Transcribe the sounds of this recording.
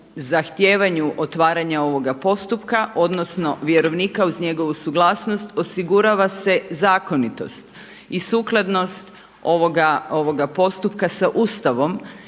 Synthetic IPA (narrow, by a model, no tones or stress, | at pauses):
zaxt̪je̞ːʋaɲuʔot̪ʋaːɾaɲao̞ʋo̞ɡapo̞st̪upkaʔo̞d̪no̞sno̞ʋjeɾo̞ʋnikauzɲe̞ɡo̞ʋusuɡlˠaːsno̞st̪o̞siɡuɾaʋase̞zaːko̞nit̪o̞̰st̪ | isuːklˠad̪no̞st̪ | o̞ʋoɡaoʋo̞ɡapo̞st̪upkasaʔuːst̪aʋo̞m